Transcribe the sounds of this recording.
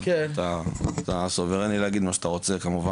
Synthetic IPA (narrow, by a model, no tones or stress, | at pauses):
ket̪at̪asoveʁenileaɡid̪maʃḁt̪aʁo̞t͡sekamuva